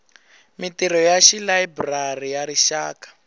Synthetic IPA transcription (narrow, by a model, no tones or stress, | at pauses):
mitiɾɔjaʃilaibrarijaɾiʃaːkḁ